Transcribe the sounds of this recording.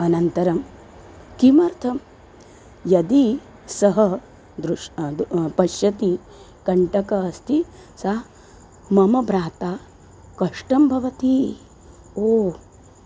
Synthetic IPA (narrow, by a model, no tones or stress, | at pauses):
ɐnɐnt̪ɐɾɐm | kimɐɾt̪ʰɐm | jɐd̪i | sɐɦɐ | d̪ɾu | pɐʃjɐt̪i | kɐɳʈɐkɐːst̪ʰi | sɐ | mɐmɐbɾaːt̪aː | kɐʂʈɐmbʱɐʋɐt̪i | oː